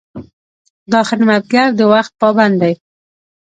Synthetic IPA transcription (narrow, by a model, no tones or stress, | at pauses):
d̪ɑxɪɾmat̪̚ɡaɾd̪əwaxt̪̚pɑband̪aj